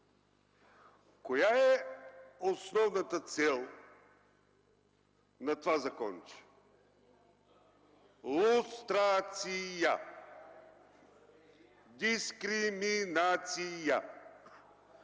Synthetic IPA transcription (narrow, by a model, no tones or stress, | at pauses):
kojaɛ | osnɔvnɐt̪ət̪sɛlˠ | nɐt̪vazɐkɔnt͡ʃi̥ | lˠust̪ɾat̪sija | d̪iskɾiminat̪sija